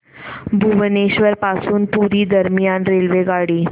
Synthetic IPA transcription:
bʱuʋneɕʋəɾpasuːnpuɾiːd̪əɾmjanɾelʋeɡaɽiː

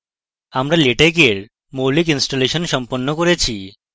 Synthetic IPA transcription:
amɾaleʈekeɾ | molik̬insʈoleʃɔnʃɔmponːokoɾet͡ɕʰi

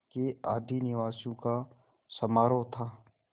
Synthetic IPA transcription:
keaːd̪ʱinɪʋaːsõka | sɐmaːɾot̪ʰaː

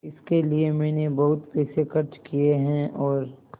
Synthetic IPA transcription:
ɪskeliemɛ̃ːnebɐɦʊt̪pɛːsekɐɾt͡ʃkieɦɛ̃ʔɔːɾ

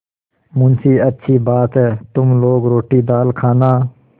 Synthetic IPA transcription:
mʊnsiːətːʃʰiːbaːt̪ɦɛːt̪ʊmloːɡɾoːʈiːd̪aːlkʰaːnaː

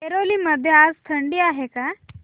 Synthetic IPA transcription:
eɾoliːməd̪ʱːjead͡zt̪ʰəɳɖiːaɦeka

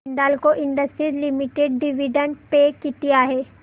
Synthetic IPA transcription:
nɖ̪aːlkoʔɪ̃ɳɖəsʈɾilimiʈeɖɖɪʋiɖə̃ɳʈpekɪʈ̪ijaɦɛː

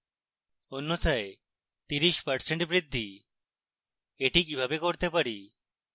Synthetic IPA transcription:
onːot̪ʰae | t̪iɾiʃpəɾseɳʈbɾid̪ʱːi | eʈikibʱabekoɾt̪epaɽi

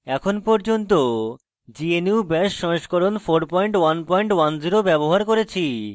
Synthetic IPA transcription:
ɛkʰonpɔɾd͡ʑont̪o | d͡ʑieniwbɛʃːɔ̃ʃkoɾonfoɾpɔjɳʈwanpɔjɳʈwand͡ʑiɾobɛboɦaɾkoɾet͡ɕʰi

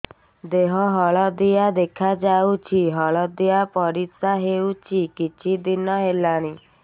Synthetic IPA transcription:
d̪eɦɔɦɔɭɔd̪iad̪ekʰad͡ʒaut͡ʃʰiɦɔɭɔd̪iapɔɾit̪saɦewt͡ʃʰikit͡ʃʰid̪inɔɦelañi

